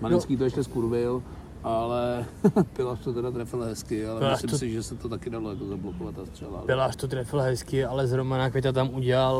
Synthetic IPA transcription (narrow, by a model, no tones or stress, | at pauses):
malɪskiːt̪oɛʃcɛskuɾbɪl | ʔalɛpɪlaːʃt̪ot̪ɛdat̪ɾɛfɪlɦɛskɪalɛpɪlaːʃsɪmt̪osɪʒɛsɛt̪ot̪akɪdalojakozablokovat̪ast̪r̥ɛla̰pɪlaːʃt̪ot̪ɾɛfɪlɦɛskɪalɛzɦɾomanakʋʲɛt̪at̪̬amuɟɛlal